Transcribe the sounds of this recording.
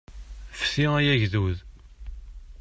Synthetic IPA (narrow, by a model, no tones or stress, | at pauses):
fsiæjæʝðuð